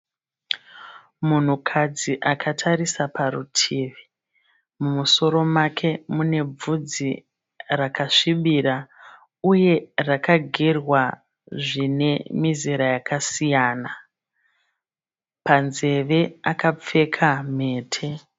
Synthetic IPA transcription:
mun̤ukʰad͡ziʔakʰatʰaɾisapaɾutʰiːʋi | mumuso̞ɾo̞makʰe̞mune̞b͡vud͡zi | rakaʂiɓiɾa | uje̞rakaɡʱirwa | ʐine̞miziɾajakasijaːna | panze̞ʋe̞akap͡fe̞kʰame̞ːtʰe̞

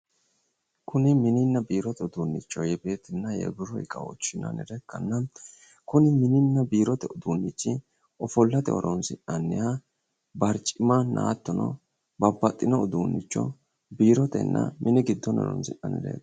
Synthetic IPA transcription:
kʰʊnɪmɪnɪnːɐbiːɾɔt̪ɛʊd̪uːnːɪt͡ʃːɔjɛbe̞ːt̪ɪnːɐjɛ̰ɡʊɾɔɪ̰kʼɐɔ̰t͡ʃːɪnɐ̰nɪ̰ɾɛkːɐnːɐ | kʊnɪmɪnɪnːɐbiːɾɔt̪ɛʊd̪uːnːɪt͡ʃːɪ | ɔfɔlːɐt̪ɛɔ̰ɾɔnsɪᶑɐnːɪɐ | bɐɾt͡ʃʼɪmanʔa̰ːt̪ːɔnɔ̰ | bɐbːɐt̪ʼːɪnɔʊd̪uːnːɪt͡ʃːɔ̰ | biːɾɔt̪ɛ̰nːɐ̰mʔɪnɪɡɪd̪ːɔnɔ̰ɾɔ̰nsɪɐnɪ̰ɾɛ̰k

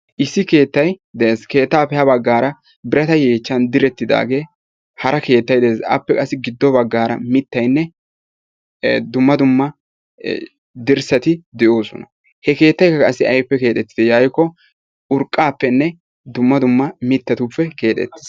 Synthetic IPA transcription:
ʔɪsːɪke̞ːt̪ːɐjd̪ɛʔeːske̞ːt̪ːaːpːɛhɐbɐɡːaːɾɐ | bɪɾɐt̪ɐjeːt͡ʃːɐnd̪ɪɾɛt̪ːɪd̪a̰ːɡe̞ː | hɐɾɐke̞ːt̪ːɐjd̪ɛeːsɐ̰pːɛkʼɐsːɪɡɪd̪ːɔbɐɡːaːɾɐmɪt̪ːɐjnːɛ | d̪ʊmːɐd̪ʊmːɐ | d̪ɪɾsɐt̪ɪd̪ɛʔo̞ːsɔ̰nɐ | hɛke̞ːt̪ːɐjkːɐkʼɐsːɪɐjpːɛke̞ːt̪ʼɛt̪ːɪ̥d̪ɛjajkːɔ | ʊɾkʼːaːpːɛnːɛ | d̪ʊmːɐd̪ʊmːɐmɪt̪ːɐt̪upːɛke̞ːt̪ʼɛ̰t̪ːɪ̥s

